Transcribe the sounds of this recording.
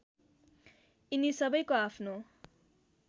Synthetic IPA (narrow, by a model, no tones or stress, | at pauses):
inisʌbʌjkoapʰno